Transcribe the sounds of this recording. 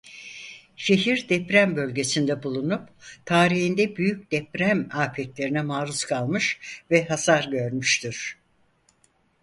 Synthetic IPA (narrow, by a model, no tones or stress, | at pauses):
ʃe̞ɦiɾd̪ɛpɾæmbø̞lʲɟe̞sind̪ɛbulˠunupt̪ʰaːɾihind̪ɛbyjyc̚d̪̥ɛpɾæmaːfɛt̪lʲe̞ɾinɛmaːɾuskʰalˠmɯʃvɛɦasaɾɟø̞ɾmyʃt̪iɾ̥